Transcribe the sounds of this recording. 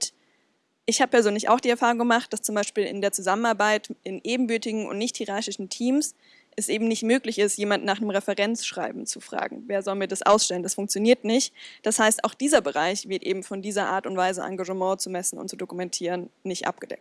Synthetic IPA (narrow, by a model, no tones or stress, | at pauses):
t | ʔɪçhaːbəpʰɛɐzøːnlɪça̰ʊxd̥iːɛɐfaːʁ̞ʊŋɡəmaχt̚d̥ast͡sʊmbaɪʃpiːlɪ̰ndeːɐt͡suzamənaɐbaɪtʔɪnʔeːbm̩bʏɐtɪɡŋ̩ʔʊ̰ntnɪçthiʁaɐçɪʃn̩tʰiːms | ʔɛsʔeːbm̩nɪçtmøːklɪçɪstjeːmandnːaːχnəmʁɛfɛʁɛnt͡sʃʁ̥aɪbm̩t͡sufʁ̥a̰ːɡŋ̩veːɐzɔlmiːɐdasʔa̰ʊsʃtɛləndasfʊŋk̚t͡sjoniːɐtnɪçtd̥ashaɪsta̰ʊxd̥iːzɐbəʁaɪçv̥ɪɐtʔḛːbm̩fɔndiːzɐʔa̰ːtʊntv̥aɪzəʔa̰ŋɡaʒəmɑ̃ːt͡sumɛsn̩ʊ̰nt̚t͡sudokumɛntʰiːʁənːɪçtʔa̰p̚ɡ̥əd̥ɛ̰k̚t